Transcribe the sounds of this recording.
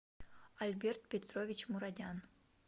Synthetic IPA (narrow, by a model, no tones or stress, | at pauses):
alʲbʲert̪̚pʲet̪rovʲit͡ɕmuɾad̪ʲɑn